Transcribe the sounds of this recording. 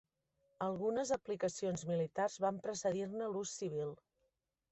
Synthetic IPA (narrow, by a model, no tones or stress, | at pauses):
əlˠɣunəzəplikəsionzmilit̪arzβampɾəsəðirnəlusːiβ̞ilˠ